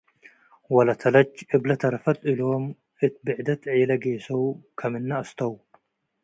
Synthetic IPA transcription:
wɐlɐt̪ʰɐlɐt͡ʃːʔɨblɐt̪ʰɐɾɐfɐt̪ʼɨlom | ɨt̪̚bɨʕd̪ɐt̪ʰʕiːlɐɡeːsɐwkʰɐmɨnːɐɐst̪ʰɐw

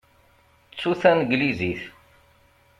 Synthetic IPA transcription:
t͡sːuθænɡliziθ

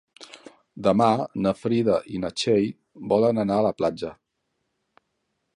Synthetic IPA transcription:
d̪əmanəfɾiðəʔinət͡ʃej | bɔlənənaələplad͡ʒə

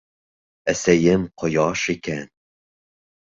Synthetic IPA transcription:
æsæjɪmqʰojɑʃikʲæn

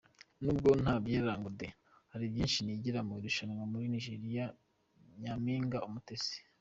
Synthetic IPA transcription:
nuːbɡo̞n̥haːbɟeːɾaːŋɡude | haɾibjiːnʃiniɟiɾamuɾuʃanŋamuɾiniʒeɾija | ɲamiːŋɡaumutese̥

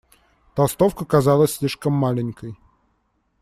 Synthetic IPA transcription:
t̪ɐlˠst̪ofkəkazalˠəsʲsʲlʲiʂkəmːalʲɪnʲkəj

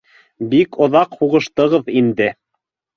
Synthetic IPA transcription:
bikŏðɑqhuʁɤ̆ʃt̪ɤ̆ʁɤðind̪ɘ

